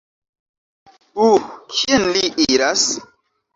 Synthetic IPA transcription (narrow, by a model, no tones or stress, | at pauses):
ukʰienliʔiɾas